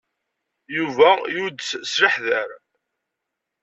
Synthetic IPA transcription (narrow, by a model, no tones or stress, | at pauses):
juvæjud̪ət͡ssɾəħðəɾ